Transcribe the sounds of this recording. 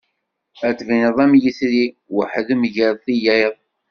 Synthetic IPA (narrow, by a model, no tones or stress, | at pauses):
æt͡sːvinəðˤæmjisɾi | wəħðəmʝəɾˤθijæjðˤ